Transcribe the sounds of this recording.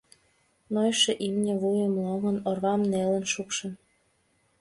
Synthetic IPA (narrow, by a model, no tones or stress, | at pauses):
nojʃeʔimnʲĕβujəmloŋə̆norβɑmnelə̆nʃukʃə̆n